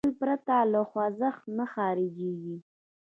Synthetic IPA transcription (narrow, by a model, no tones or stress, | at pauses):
lpɾat̪alaxwazəxnaxɑɾɪd͡ʒeɡi